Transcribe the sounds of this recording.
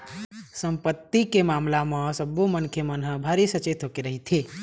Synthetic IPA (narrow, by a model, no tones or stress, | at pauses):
səmpət̪ːikemamlamə̃səbːomənkʰemənɦə̃bʱaɾisət͡ʃet̪ʰɦokeɾəɦit̪ʰi